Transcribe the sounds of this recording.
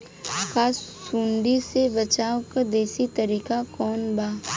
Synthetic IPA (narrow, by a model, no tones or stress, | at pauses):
kʰaːsːũːɳɖisebɐt͡ʃaːokad̪eːsit̪ɐɾiːkakɔːnbaː